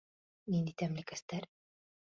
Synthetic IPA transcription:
nind̪it̪æmlikæst̪æɾ

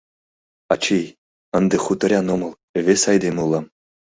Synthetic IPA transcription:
ɑt͡ɕij | ɤ̆nd̪ɤ̆χut̪ɤ̆ɾʲɑnŏmɤ̆lˠ | eʋʲesʲɑjd̪emulˠːɑ

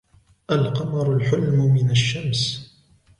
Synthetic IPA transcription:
ʔalqɑmɑɾˤʊlħʊlmʊmɪnaʃːams

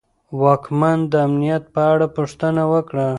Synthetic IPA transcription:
wɑkmand̪əamnijat̪̚pəaɽapuʂt̪ənawəkɽa

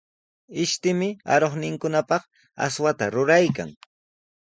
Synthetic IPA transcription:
ɪʃt̪ɪmɪa̰ɾoχnɪŋkʊnapɑχ | a̰swat̪aɾʊɾajka̰ŋ

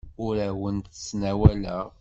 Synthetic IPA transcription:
ʊɾæwənt̪ə̥sːnæwælæʁ

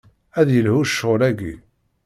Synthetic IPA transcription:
æðjəlhuʃːʊlæɡi

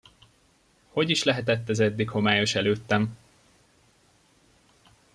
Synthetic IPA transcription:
ho̞ɟiʃlɛɦɛt̪ɛt̪ːɛzɛd̪ːikho̞maːjo̞ʃɛløːt̪ːɛm

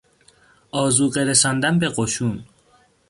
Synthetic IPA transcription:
ʔɒːzuːɢeɾesɒːnd̪ænbe̞ɢoʃuːn

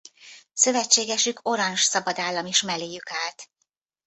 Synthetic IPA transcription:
sø̞vɛt͡ʃːeːɡɛʃykʰo̞ɾɒnʃsɒbɒd̪aːlːɒmiʃmɛleːjykaːlt̪

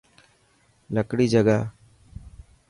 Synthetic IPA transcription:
ləkɽid͡ʒəɡa

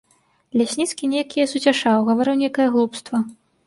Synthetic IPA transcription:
lʲasʲnʲit̪skʲinʲejkʲijɐsut͡sʲaʂawɣɐvaɾɨwnʲejkɐjɐɣlˠupst̪vɐ

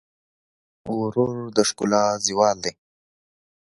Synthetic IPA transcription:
uɾuɾd̪əʂkulaziwɑːld̪e

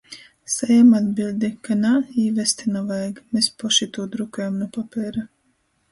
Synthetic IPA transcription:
sajamad̪̚bilʲˠd̪ʲikanaiːvɛst̪inɔvajɡmespɔʃit̪uːd̪ɾukujamnɔpapʲɛːɾa

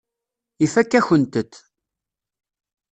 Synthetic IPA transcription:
ifækːæçənt̪ət̪ː

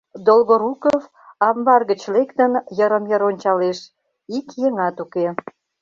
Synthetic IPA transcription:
d̪olɣoɾukof | ɑmbɑrɣət͡ɕlekt̪ənjəɾəmjəɾonʲt͡ɕɑleʃ | ikjəŋɑt̪uke

